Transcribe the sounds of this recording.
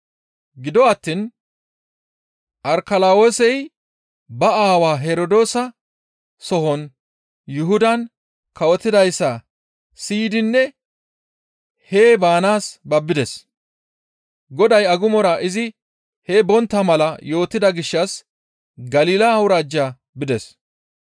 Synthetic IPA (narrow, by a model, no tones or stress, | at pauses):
ɡɪd̪ɔɐt̪ːin | ʔɐɾkɐlaːwoːsɛj | bɐaːwaːɦeɾɔd̪o̞ːsɐ | sɔɦɔn | jʊɦʊd̪ɐn | kɐwɔt̪ːɪd̪ɐjsːɐ | siːd̪ɪnːɛ | heːbaːnaːsbɐbːɪd̪ɛs | ɡɔd̪ɐjɐɡʊmɔɾɐʔɪzɪ | hɛbɔnt̪ːɐmɐlɐjo̞ːt̪ːɪd̪ɐɡɪʃːɐs | ɡɐliːlɐɐwʊɾaːd͡ʒːaː | bɪd̪ɛs